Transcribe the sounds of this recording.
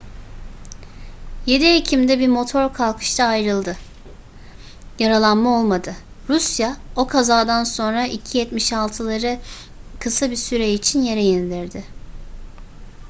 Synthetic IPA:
je̞d̪iecʰimd̪ɛbimo̞t̪ʰo̞ɾkʰalˠkʰɯ̥ʃt̪ʰaːjɾɯlˠd̪ɯ | jaɾalˠanmao̞lˠmad̪ɯ | ɾusjao̞kʰazaːd̪anso̞nɾaicʰijɛt̪miʃalˠt̪ʰɯlˠaɾɯ | kʰɯsabisyɾɛit͡ʃʰinje̞ɾejind̪iɾd̪ɪ

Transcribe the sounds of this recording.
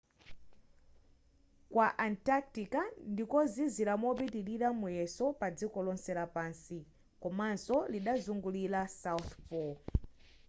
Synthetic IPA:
kwaʔantak̚tikandikɔziziɾamɔpitiɾiɾamujɛsɔpad͡zikɔlɔnsɛɾapaːnsi | kɔmansɔliɗazuŋɡulilasawθpɔ

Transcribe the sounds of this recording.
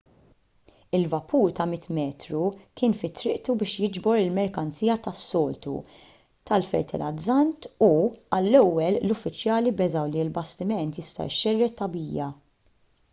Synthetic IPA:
ɪlvɐpuːɾt̪ɐmɪt̪mɛːt̪ɾukɪːnfɪt̪ːɾɪʔt̪ubɪːʃjɪd͡ʒbɔɾɪlmɛɾkɐnt͡siːjɐt̪ɐsːɔːlt̪ṵ | t̪ɐlfɛ̰ɾt̪ɛ̰lɐd͡zːɐnt̪uɐlːɛwːɛllʊfːɪt͡ʃjɐːlibɛzɐwliɪlbɐst̪ɪmɛnt̪jɪst̪ɐ̰ɪʃɛrːɛt̪ːɐbiːjɐ

